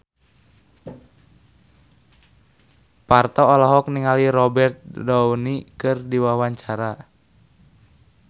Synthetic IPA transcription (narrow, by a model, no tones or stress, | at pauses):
part̪ɔːlɔɦɔk̚niŋaliɾɔbɛrt̪̚dɔwnikɨrdiwawaɲt͡ʃaɾa